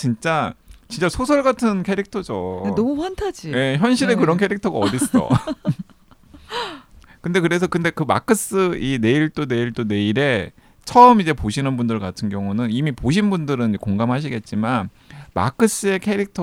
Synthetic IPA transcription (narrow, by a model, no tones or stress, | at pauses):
t͡ɕint͡ɕ͈at͡ɕint͡ɕ͈asʰosʰʌɭɡatʰɯnkʰe̞ɾik̚tʰʌd͡ʑoenʌmuɸantʰad͡ʑije̞çjʌnɕ̬ʰiɾe̞kɯɾʌnkʰe̞ɾik̚tʰʌɡaʌdis͈ʌ̰ | kɯnde̞kɯɾe̞sʰʌkɯnde̞kɯma̰kʰɯs͈ɯine̞iɭt͈one̞iɭt͈one̞iɾe̞ | t͡ɕʰʌʌmid͡ʑe̞poɕʰinɯnbundɯɭkatʰɯnɡjʌŋunɯnimipoɕ̬ʰinbundɯɾɯnd͡ʑekoŋɡamɦaɕ̬ʰiɡe̞t̚t͡ɕ͈iman | ma̰kʰɯs͈ɯe̞kʰe̞ɾik̚tʰ